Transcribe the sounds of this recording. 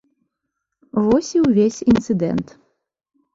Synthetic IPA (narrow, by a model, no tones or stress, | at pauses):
vɔsʲiwvʲesʲint̪sɨd̪ɛ̰nt̪